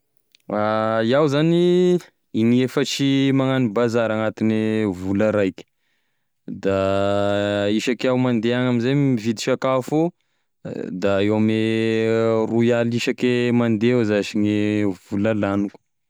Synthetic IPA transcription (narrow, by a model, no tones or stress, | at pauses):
aiawzani | iniefət͡ʃimaŋanibazaɾaŋat̪inevulaɾajkʲə̥ | d̪a | iʃakawmand̪eaŋamizamivid̪iʃakafo | d̪aewame | ruialiʃakemand̪eozaʃiɲev̥ulalanuku̥